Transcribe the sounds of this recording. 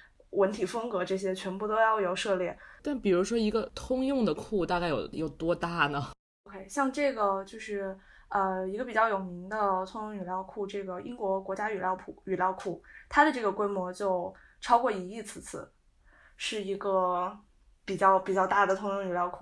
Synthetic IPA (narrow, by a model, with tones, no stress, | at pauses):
wə˧˥nt̪ʰi˨˩fɤ˥ŋkɤ˧˥ʈ͡ʂɤ˥˩ɕ̬jɛ˥t͡ɕʰɥɛ˧˥npu˥˩t̪o˥ʊjɑ˥˩ʊjo˨˩ʊʂɤ˥˧ljɛ˥˩nt̪a˥˩npi˨˩ɻu˧˥ʂwɔ˥i˧˥ɡə˧t̪ʰʊ˥ŋjʊ˥˩ŋd̪ə˩kʰu˥˧t̪a˥˧ka˥˩ɪjo̰˨˩ʊjo˨˩ʊt̪wɔ˥t̪a˥˩nə˩ | o˧ʊkʰe˥ɪɕjɑ˥˧ŋʈ͡ʂɤ˥˩ɡə˩t͡ɕjo˥˧ʊʂɻ̩˥˩ | ə˧i˧˥ɡə˧pi˨˩t͡ɕjɑ˥˩ʊjo˨˩ʊmi˧˥ŋd̪ə˧t̪ʰʊ˥ŋjʊ˥ŋy˨˩ljɑ˥˧ʊkʰu˥˧ʈ͡ʂɤ˥˩ɡə˩ḭ˥ŋkwɔ˧˥kwɔ˧˥t͡ɕja˥y˨˩ljɑ˥˧ʊpʰu˨˥˩y˨˩ljɑ˥˧ʊkʰu˥˩t̪ʰa˥d̪ə˨ʈ͡ʂɤ˥˩ɡə˩kwe˥ɪmwɔ˧˥t͡ɕjo˥˧ʊ | ʈ͡ʂʰɑ˥ʊkwɔ˥˩i˧˥i˥˩t͡sʰɹ̩˥˩t͡sʰɹ̩˥˩˦ | ʂɻ̩˥˩i˧˥ɡə˧ | pi˨˩t͡ɕjɑ˥˩ʊpi˨˩t͡ɕjɑ˥˧ʊt̪a˥˩d̪ə˩t̪ʰʊ˥ŋjʊ˥˩ŋy˨˩ljɑ˥˧ʊkʰu˥˩